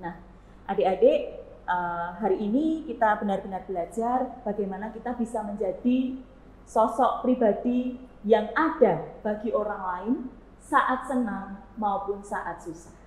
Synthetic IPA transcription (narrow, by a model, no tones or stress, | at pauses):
nah | ʔadeadeʔ | ʔəɦaɾiʔːnikit̪abənarbənarbəlad͡ʒarb̥aɡajmanakit̪abisaməɲd͡ʒad̥i | sɔsɔʔpɾibad̥i | jaŋad̥ab̥aɡiʔoɾaŋlaɪn | saʔat̪̚sənaŋmaupʊnsaʔat̪̚susḁh